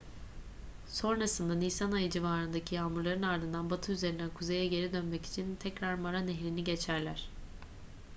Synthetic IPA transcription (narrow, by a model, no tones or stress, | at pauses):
so̞nɾasɯnd̪anisanajɯd͡ʒivaːɾɯnd̪acʰijaːmuɾlˠaɾɯnaɾd̪ɯnd̪anbat̪ʰɯyze̞ɾind̪ɛkʰuze̞jɛɟe̞ɾid̪ø̞nmɛci̥t͡ʃʰint̪ʰɛcɾaɾmaɾaneɦɾiniɟet͡ʃʰæɾlʲæɾ̝̥